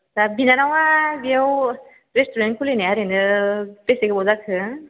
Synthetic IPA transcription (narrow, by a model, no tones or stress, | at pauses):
zabinanawabiaw | ɾestuɾenkʰuleneaɾenɯpesekɯbɔzakʰɯ